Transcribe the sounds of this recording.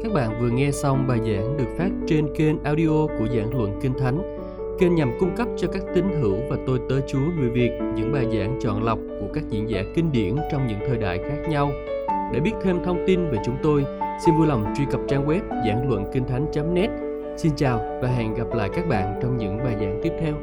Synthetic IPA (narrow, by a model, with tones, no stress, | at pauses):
kaː˦˥k̚ɓa̰ː˧˨nvɨ˨˩əŋɛ˧sa˧wŋ͡mɓaː˨˩jza̰ː˧˥ŋɗɨ˨˩ək̚faː˦˥t̚t͡ɕe˧nke˧nʔaː˧wɗi˧ʔo˧ku˧˩əza̰ː˧˥ŋlwə̰˧˨nkï˧ŋt̪ʰa˨˦jŋ̟ | ke˧nɲa˨˩mkʊ˧ŋ͡mkə˦˥p̚t͡ɕɔ˧kaː˦˥k̚t̪ï˨˦ŋ̟t̪ɨ˧˩əwvaː˨˩t̪o˧jt̪əː˨˦jt͡ɕu˨˦əŋɨ˨˩jvi˨˩ək̚ɲɨ̰˧˥ŋɓaː˨˩jza̰ː˧˥ŋt͡ɕɔ̰˧˨nla˨˩wk͡p̚ku˧˩əkaː˦˥k̚zḭ˧˥ənza̰ː˧˩kï˧ŋ̟ɗḭ˧˩ənt͡ɕɔ˧wŋ͡mɲɨ̰˧˥ŋt̪ʰəː˨˩jɗa̰ː˧˨jxaː˦˥k̚ɲa˧w | ɗḛ˧˥ɓi˦˥ət̚t̪ʰe˧mt̪ʰə˧wŋ͡mt̪i˧nve˨˩t͡ɕʊ˨˦ŋ͡mt̪o˧jsi˧nvu˧jla˨˩wŋ͡mt͡ɕwi˧kə˨˩p̚t͡ɕaː˧ŋwɛ˦˥p̚za̰ː˧˩ŋlwə̰˧˨nkï˧ŋ̟t̪ʰa˨˦jŋ̟t͡ɕa˨˦mnɛ˦˥t̚ | si˧nt͡ɕaː˨˩wvaː˨˩ɦɛ̰˧˨nɣa˨˩p̚la̰ː˧˨jkaː˦˥k̚ɓa̰ː˧˨nt͡ɕɔ˧wŋ͡mɲɨ̰˧˥ŋɓaː˨˩jza̰ː˧˥ŋt̪i˦˥əp̚t̪ʰɛ˧w